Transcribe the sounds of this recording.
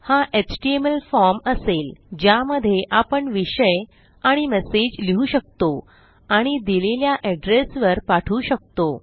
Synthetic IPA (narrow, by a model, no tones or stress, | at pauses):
haʔet͡ɕʈieməlfɔɾməseld͡ʑjaməd̪ʱːjeʔapəɳʋiɕəj | aɽ̃imɛsed͡ʑliɦuːɕək̚t̪o | aɽ̃id̪ileljaʔɛɖɾesʋəɾpaʈʰuːɕək̚t̪o